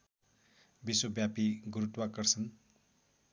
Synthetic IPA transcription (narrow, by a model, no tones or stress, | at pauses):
biswobjapiɡuɾut̪wakʌrsʌn